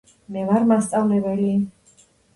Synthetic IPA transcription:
mɛvaɾmast̪sʼavlɛbɛli

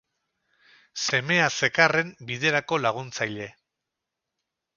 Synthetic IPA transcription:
se̞me̞ase̞kare̞mbiðe̞ɾako̞laɣ̞unt͡sajʎe̞

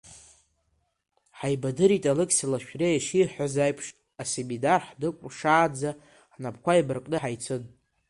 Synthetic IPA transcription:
ħajbadɨɾitʼalɨkʲʰʼsilaʃᶣrejaʂiħʷᶣazajpʰʂ | asemidarħdɨkʷʼʂaːd͡za | ħnapʰkʷʰajbɨrkʼnɨħajt͡sʰɨn

